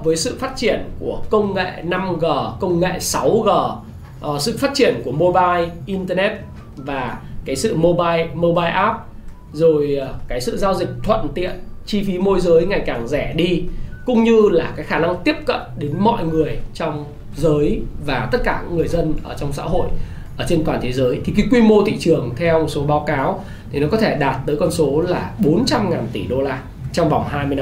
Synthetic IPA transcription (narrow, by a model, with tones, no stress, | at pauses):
vəː˨˦jsɨ̰˧˨faː˦˥t̚t͡ɕi˧˩ənku˧˩əkə˧wŋ͡mŋḛ˧˨na˧mɣəː˨˩kə˧wŋ͡mŋḛ˧˨sa˨˦wɣəː˨˩ | sɨ̰˧˨faː˦˥t̚t͡ɕi˧˩ənku˧˩əmo˧ɓaː˧jʔi˧nt̪əː˧nɛ˦˥t̚ | vaː˨˩kaː˨˦jsɨ̰˧˨mo˧ɓaː˧jmo˧ɓaː˧jʔaː˦˥p̚ | zo˨˩jkaː˨˦jsɨ̰˧˨zaː˧wzï˨˩k̟̚t̪ʰwə̰˧˨nt̪ḭ˧˨ənt͡ɕi˧fi˨˦mo˧jzəː˨˦jŋa˨˩jkaː˨˩ŋzɛ˧˩ɗi˧kʊ̰˧˥ŋ͡mɲɨ˧laː˨˩kaː˨˦jxaː˧˩na˧ŋt̪i˦˥əp̚kə̰˧˨nɗe˨˦nmɔ̰˧˨jŋɨ˨˩əjt͡ɕɔ˧wŋ͡m | zəː˨˦jvaː˨˩t̪ə˦˥t̚kaː˧˩ɲḭ˧˥ŋɨ˨˩əjzə˧nʔəː˧˩t͡ɕɔ˧wŋ͡msa̰ː˧˥ɦo̰˧˨j | ʔʔəː˧˩t͡ɕe˧nt̪waː˨˩nt̪ʰe˨˦zəː˨˦jt̪ʰi˨˩k̬i˨˦jkwi˧mo˧t̪ʰḭ˧˨t͡ɕɨ˨˩əŋt̪ʰɛ˧wm˨˩t̚so˨˦ɓaː˨˦wkaː˨˦w | t̪ʰi˨˩nɔ˨˦kɔ˨˦t̪ʰe˧˩ɗaː˨˩t̚t̪əː˨˦jkɔ˧nso˨˦laː˨˩ɓo˨˦nt͡ɕa˧mŋaː˨˩nt̪i˧˩ɗo˧laː˧ | t͡ɕɔ˧wŋ͡mva˨˩wŋ͡mɦaː˧jmɨ˧ja˧